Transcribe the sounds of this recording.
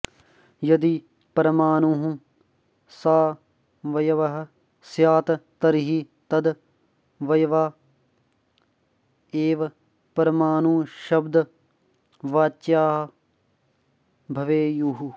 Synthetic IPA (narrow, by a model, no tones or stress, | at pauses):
jɐd̪i | pɐɾɐmaːnuɦũ | saː | ʋɐjɐʋɐɦ | sjaːt̪t̪ɐɾɦi | t̪ɐd̪ | ʋɐjʋaː | eːʋɐ | pɐɾɐmaːnuːʃɐbd̪ | ʋaːtt͡ʃaːɦɐ | bʱɐʋeːjuɦu